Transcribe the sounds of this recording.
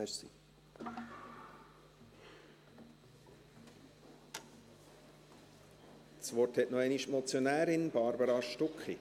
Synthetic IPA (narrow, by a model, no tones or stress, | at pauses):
ɛsḭ | sʋɔrthɛtnɔɛniʃmɔt͡sjonæːɾɪnb̥ɑɾbəɾɑʃtʊkχi